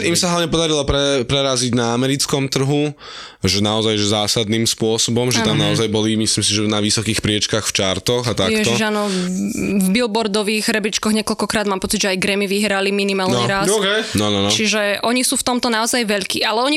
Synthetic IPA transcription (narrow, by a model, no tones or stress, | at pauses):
imsaɦlaʋɲɛpɔd̪aɾilɔpɾɛpɾɛɾaziɟnaamɛɾit͡skɔmt̪r̩ɦu | ʒɛnaɔzajʒɛzaːsad̪niːmspʊɔsɔbɔmʒɛt̪ammnaɔzajbɔlimislimsiʒɛnaʋisɔkiːxpɾɪɛt͡ʃkaxft͡ʃaɾt̪ɔɣat̪akjɛʒɔiʒaːnɔ | vbilbɔɾd̪ɔʋiːɣɾɛbit͡ʃkɔɣɲɛkɔlkɔkɾaːd̪maːmpɔt͡siɟʒɛajɡɾɛmiʋiɦɾaliminimaːlnɲɛɾaskɛjnɔnɔnɔt͡ʃiʒɛʔɔɲisuːft̪ɔmt̪ɔnaɔzajʋɛʎkḭːʔalɛɔɲi